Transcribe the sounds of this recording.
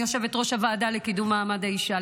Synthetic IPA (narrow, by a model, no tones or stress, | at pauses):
joʃe̞vetʁo̞ʃavaːdalekidumːaːmadhaiʃa